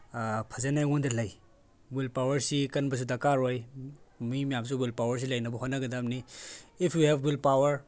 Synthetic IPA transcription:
pʰɐzanajundɐlaj | wilpawɐɾsikɐnbɐs̬udakaɾojmimijams̬uwilpawɐɾs̬ilajnɐbɔɦotnːɐɡɐdamniipʰjuhɛvwilpawɐɾ

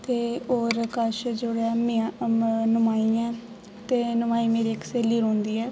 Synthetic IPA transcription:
t̪eːoːɾkəʃd͡ʒʊɽaːmiãnəmaːiɛ̃ː | t̪eːnʊmaːiːmeːɾiːkseːlːiːɾõːnd̪iːɛː

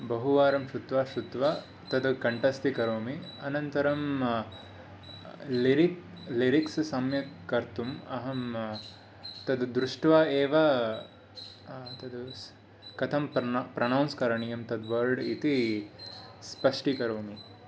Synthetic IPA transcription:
bɐɦuʋaːɾɐmʃɾut̪ʋaːʃɾut̪ʋaː | t̪ɐd̪kɐɳʈɐst̪ikɐɾoːmiɐnɐnt̪ɐɾɐm | liɾik | liɾikssɐmjɐkɐɾt̪umɐɦɐm | t̪ɐd̪d̪ɾuʂʈʋaːeːʋɐ | t̪ɐd̪u | kɐt̪ʰɐmppɾɐnɐwnskɐɾɐɳijɐmt̪ɐd̪ʋɐɾɖit̪i | spɐʂʈikɐɾoːmi

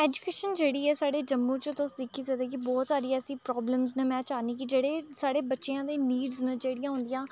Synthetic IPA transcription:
ɛːd͡ʒuːkeːʃənd͡ʒeːɽiːɛːsaːɽeːd͡ʒəmːũːt͡ʃət̪ʊsd̪ɪkʰːiːsəɡd̪eːk̬ɪbɔːt̪saːɾiːɛːsĩːpɾɔːbləmznemɛ̃ːt͡ʃaːniːkɪd͡ʒeːɽeːsaːɽeːbətːʃeːãːd̪eːniːɖznəd͡ʒeːɽɪjãːɦʊ̃nd̪ɪjãː

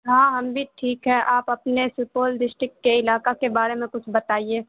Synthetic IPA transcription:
ɦãːɦɐmbʱiʈʰiːkɦɛʔaːpɐpnesʊpoːldɪsʈɾɪkːeɪlaːkakebaːɾemẽkʊt͡ʃʰbɐt̪aːieː

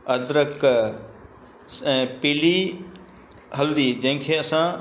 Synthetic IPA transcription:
ɐd̪ɾək | ɛ̃ːpiːli | ɦɐld̪iːd͡ʑɐ̃ɦɪ̃kʰeːɐsã

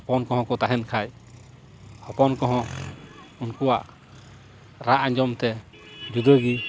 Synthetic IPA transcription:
ɔpɔnkɔɦɔ̃kɔt̪aɦɛnkʰaj | hɔpɔnkɔɦɔ̃ | unkuwaʔ | ɾaʔaɲd͡ʒɔmt̪ɛ | d͡ʒud̪əɡi

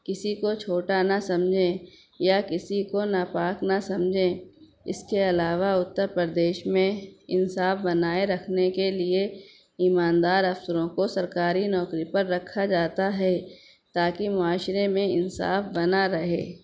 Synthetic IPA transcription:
kɪsikot͡ʃʰoːʈanasɐ̃md͡ʒʱẽ | jakɪsikonapaːknasɐmd͡ʒʱẽ | ɪ̰skeɐlaːʋaʊt̪ːəɾpɾɾəd̪eːʃmẽɪnsaːfbɐnaːeɾɐkʰnekelie | iːmaːnd̪aːɾɐfsəɾõkosɐɾkaːɾinɔːkɾipɐɾːɐkʰːad͡ʒaːt̪aɦɛ | t̪aːkimʊaːʃɾemẽɪnsa̰ːfbɐnaɾɐɦḛː

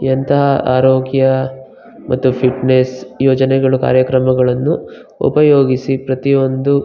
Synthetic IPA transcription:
jɐnt̪ɐɦɐʔaːɾoːɡjɐ | mʔɐt̪ːupʰiʈnesjoːd͡ʒɐnɛɡɐɭuka̰ːɾjɐkɾɐmɐɡɐɭɐnːu | ṵpɐjo̞ːɡisipɾɐt̪io̞nd̪u

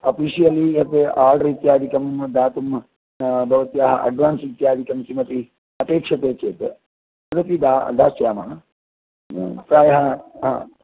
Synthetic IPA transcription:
opiːʃijɐliɐp̪eʔaːɾɖɐɾit̪jaːd̪ikɐmmd̪aːt̪um | bʱɐʋɐt̪jaːɦɐʔɐ̰ɖʋaːnsit̪jaːd̪ikɐmt͡ʃimɐt̪i | ɐpeːkʂɐt̪eːt͡ʃeːt̪ɨ | ɐd̪ɐt̪id̪ad̪aːsjaːman | pɾaːjɐɦɐɦã̰ː

